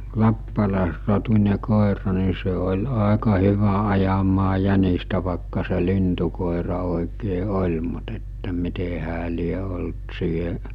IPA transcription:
lɑpːɑlɑˑesrotunʲe koˑerɑ ni se olʲ ɑˑekɑ hyʋæ ɑjɑmɑː jænistæ ʋɑˑekːɑ se lintukoˑerɑ oˑikeː olʲ mut etːæ mite hæː lie olt siːheʔ

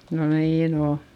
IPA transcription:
no niːn o

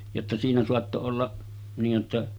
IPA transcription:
jotːɑ siːnæ soɑtːo olːɑ niːj jotːɑ

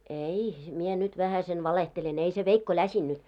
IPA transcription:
ei mie nyt ʋæhæisen ʋɑlehtelen ei se ʋeikːo læsinːyt

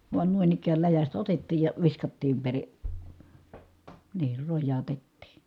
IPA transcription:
ʋuɑn nuin ikæːl læjæstæ otetːiːj jɑ ʋiskɑtːiːm peri niːr rojːɑːtetːiː

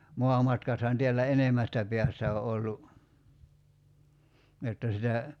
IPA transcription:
moɑmɑtkɑthɑn teælːæ enemæstæ pe̝æstæ o olːu jotːɑ sitæ

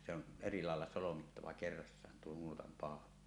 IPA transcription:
se on eri lɑˑelːɑ solomitːɑʋɑ kerːɑsːɑːn tuo nuotɑm pɑˑolɑ

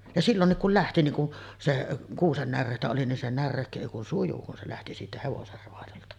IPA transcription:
jɑ silːonːik kul læhti niŋ ku seʔ kuːsen nærːeˑitæ oli nin se nærːeˑikːø eˑi kun suju kun se læhti siːtæ heʋoser roɑjoltɑ

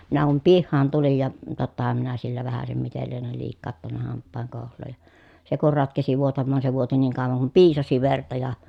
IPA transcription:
minæ kum pihːɑːn tulij jɑ totːɑhɑm minæ silːæ ʋæhæsem mitel lienel liːkːɑːtːɑnːɑ hɑmpːɑːŋ koˑuhlˑoːj jɑ se kur rɑtkesi ʋuotɑmːɑːn se ʋuoti niːŋ kɑˑoʋɑŋ kum piːsɑsi ʋertɑ jɑ

